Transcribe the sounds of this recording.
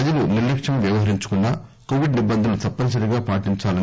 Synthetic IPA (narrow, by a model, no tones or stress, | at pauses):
ɐd͡ʒɐluniɾlekʂɐmʋjɐʋɐɦɐɾiɲt͡ʃu̥kunːaːkoːʋiɖnibɐnd̪ʱɐnut̪ɐpːɐns̬ɐɾiɡaːpaːʈiɲt͡ʃaːlɐn